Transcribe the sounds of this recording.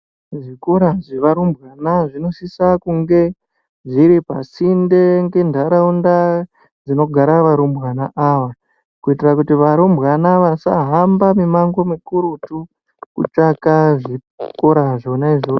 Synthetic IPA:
ʐikoɾaʐeʋaɾumbɣanaʐino̞sisakuŋɡe̞ | ʐiɾipasindeŋɡe̞ndʱaɾaunda | d͡zino̞ɡʱaɾaʋaɾumbʱwanaʔaʋa | kuitirakutiʋaɾumbɣanaʋasa̰ɦambamimaŋɡo̞mikuɾutu | kṵt͡ʂakaʐi | koɾaʐo̞naiʐo

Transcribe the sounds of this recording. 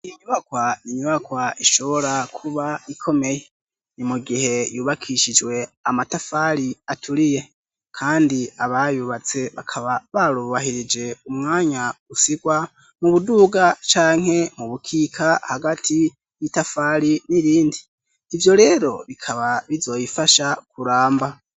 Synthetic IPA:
iɲuβakwajiɲuβakwaiʃo̞βo̞ɾakʰuβaikʰo̞me̞je̞ | nimuɡihe̞juːβakʰiʃid͡ʒwe̞amatafaɾiatʰuɾije̞ | kʰaːndiaβajuːβat͡se̞βakʰaβaβaɾuβahiɾid͡ʒe̞umŋaːɲaɡ̥usiɡwa | muβuduːɡat͡ʃaːŋ̥he̞muβukʰikʰahaɡatʰi | jitafaːɾiniɾiːndiː | vjo̞ɾe̞ːɾo̞βikʰaβaβizo̞jifaʃakuɾaːmba

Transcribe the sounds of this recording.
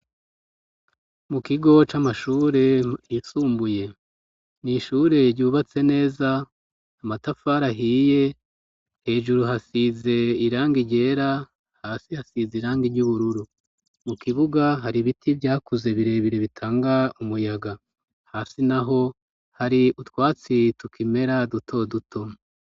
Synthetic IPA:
mukiɡo̞t͡ʃamaʃuːɾe̞jisuːmbuje̞ | niʃuːɾe̞ɾɟuːβat͡se̞ne̞ːzaː | matafaːɾaɦiːje̞ | he̞ːʒuɾuɦasize̞iɾaːŋɡiɟe̞ːɾa | haːsihasiziiɾaːŋɡiɟuβuɾuɾu | mukiβuɡaɦaɾiβitʰibɟaːkuze̞βiɾe̞βiɾe̞βitʰaːŋɡaumujaɡa | haːsinaɦo̞ | haɾiutwaːt͡situkime̞ɾadutʰo̞dutʰo̞

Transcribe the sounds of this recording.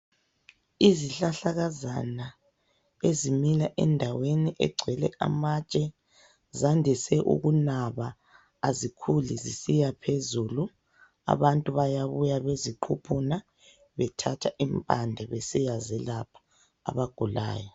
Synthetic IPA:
iziɬaɬaɣazana | ezimilaʔɛndʱaweniʔɛɡ͡ǀʱwɛlɛʔa̰mat͡ʃʼɛ | zandʱisɛʔṵɣunaβaː | zikʰulizisijapʰezuːlu | a̰βantʼuβajaβujaβeziǃʰupʰuna | βɛtʰatʰaʔimpʼandʱɛβesijazɛlapʰḁ̰ː | βaɡ̥ʱula̰ːjɔ

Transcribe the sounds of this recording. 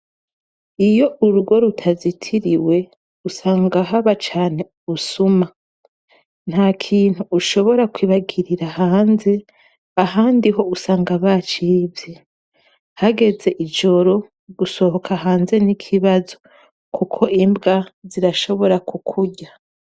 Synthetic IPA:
ijo̞uɾuɡo̞ɾutʰazitʰiɾiwe̞ | usaːŋɡaɦaβat͡ʃaːne̞ | usuma | n̥haːkʰiːn̥huːʃo̞βo̞ɾakwiːβaɡiɾiɾahaːnze̞ | aɦaːndiɦo̞usaːŋɡaβat͡ʃivje | haɡe̞ze̞ʔid͡ʒo̞ɾo̞ | ɡuso̞ho̞kʰaɦaːnze̞nikʰiβazo̞ | kʰukʰo̞ʔimbɡaziɾaʃo̞βo̞ɾakukʰuɟa

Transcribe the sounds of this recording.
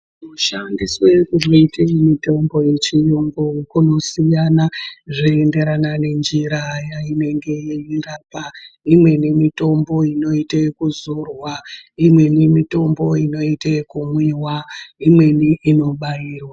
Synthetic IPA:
noʃandiswekuʐoiteimito̞mbo̞je̞t͡ʃijuŋɡukuno̞sijanaʐiende̞ɾanane̞nd͡ʒiɾajaine̞ŋɡe̞jeiraːpaimwe̞nemito̞mbo̞ino̞itekuzurwaimwe̞nemito̞mbo̞ino̞iteekumwiwaimwe̞niʔino̞ɓajiːrwa

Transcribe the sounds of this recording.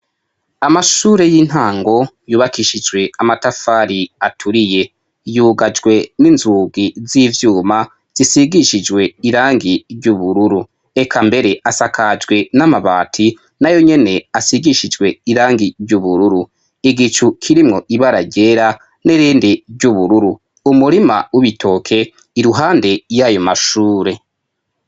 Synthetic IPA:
amaʃuɾe̞jiːn̥haːŋɡo̞ | juːβakiʃid͡ʒɡwe̞amatafaːɾiatʰuɾije̞ | juːɡad͡ʒɡwe̞ninzuɡizivjuːma | z̥isiɡiʃid͡ʒɡwe̞iɾaːŋɡiɾɟuβuɾuɾu | ekʰambe̞ɾe̞ʔasakʰad͡ʒɡwe̞namaβaːtʰi | najo̞ɲe̞ne̞asiɡiʃid͡ʒɡwe̞iɾaːŋɡiɾɟuβuɾuɾu | iɡit͡ʃukʰiɾimŋo̞ʔiβaɾaɾɟeːɾa | neɾiːndiɾɟuβuɾuɾu | umuɾima̰wuβitʰo̞kʰe̞ | iɾuɦaːnde̞jajo̞maʃuːɾe̞

